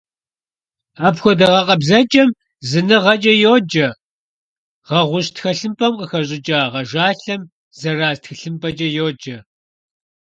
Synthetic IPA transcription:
aːpxʷɔdɐʁɐqɐbzɐd͡ʒʼɐm | zɨnɨʁɐd͡ʒʼɐjoːd͡ʒɐ | ʁɐʁʷʊɕtxɐɬɨmpʼɐmqəxɐɕʼɪt͡ʃʼaːʁɐʒaːɬɐm | zɐraːztxɨɬɨmpʰʼɐd͡ʒʼɐjoːd͡ʒɐ

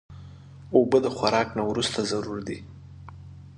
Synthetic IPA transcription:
obəd̪əxwaɾɑknawɾust̪azaɾuɾd̪i

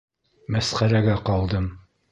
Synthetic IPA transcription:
mæsχæɾæɡæqɑlˠd̪ɤm

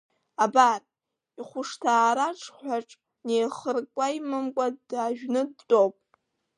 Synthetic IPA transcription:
abar | iχʷʊʂtʰaːɾaʈ͡ʂʰħʷᶣaʈ͡ʂʼ | nejχərkʷʼajmɨmkʷʼadaːʒᶣnɨdtʼowpʼ

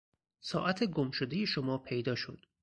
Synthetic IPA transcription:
sɒːʔæt̪ʰe̞ɡomʃod̪e̞jeʃomɒːpʰe̞jd̪ɒːʃo̰d̪̥

